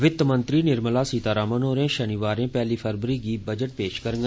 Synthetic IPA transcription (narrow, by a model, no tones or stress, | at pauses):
ʋɪt̪ːmə̃nt̪ɾiːnɪɾməlaːsiːt̪aːɾaːmənoːɾẽːʃəniʋaːɾẽːpɛːliːpʰəɾbəɾiːɡiːbəd͡ʒəʈ̚peːʃkəɾŋɡ